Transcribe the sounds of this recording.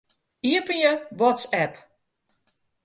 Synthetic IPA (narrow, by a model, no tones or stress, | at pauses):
iəpənjəʋɔtsɛp